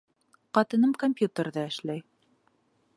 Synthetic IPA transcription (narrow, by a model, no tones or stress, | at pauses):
qɑt̪ɤ̆nɤmkomʲpʲjut̪ə̆ɾðɑɘ̆ʃlæj